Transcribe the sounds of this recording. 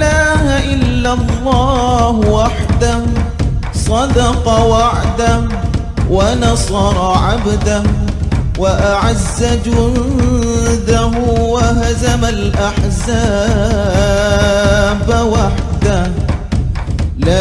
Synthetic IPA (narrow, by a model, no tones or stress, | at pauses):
laːhaʔɪlːalˤːɑːhwaħd̪a | sˤɑd̪ɑqɑwaʕd̪a | wanɑsˤɑɾˤɑʕabd̪ahwaʔaʕazːad͡ʒʊ | d̪aɦʊwaɦazamalʔaħzaː | bawaħd̪a | la